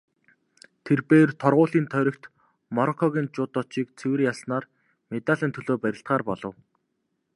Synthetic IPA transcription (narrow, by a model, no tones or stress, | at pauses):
t̪ʰerpeːrt̪ʰɔrʁʊːɮiːnt̪ʰœɾʲɞ̆kt̪ | mɔɾɔkʰɔɣʲiːnt͡ɕʊːt̪ɔt͡ɕiːk̚t͡sʰewɘ̆rjasnaːr | met̪aɮiːnt̪ʰɵɮoːpæɾʲɪ̆ɬt̪̚ɢaːrpɔɮɞ̆w